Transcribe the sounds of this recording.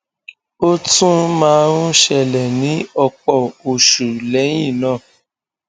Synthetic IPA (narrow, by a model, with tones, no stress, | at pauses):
o˦tũ˦mãː˦ɾũ˦ʃɛ˧˨lɛ˨nĩ˨˦ɔ˧k͡pɔ˦˨o˨ʃu˨lɛ˨˦j̃ĩ˦˨nãː˦˨